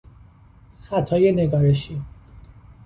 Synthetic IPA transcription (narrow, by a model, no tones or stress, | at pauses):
xæt̪ʰɒːjeneɡɒːɾeʃi